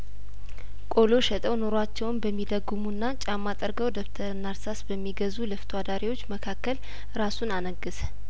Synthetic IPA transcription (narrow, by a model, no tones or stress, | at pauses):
kʼo̞lo̞ʃɛt̪ʼəwno̞ɾoat͡ʃːɛwnbəmːid̪əɡːumuɨnːat͡ʃʼamːat̪ʼəɾɡəwd̪okt̪ʰəɾnaɾsasbəmːiɡəzuləft̪ʰwad̪aɾiwo̞t͡ʃːməkʰakːəl | ɨɾasunanəɡːɨsə̥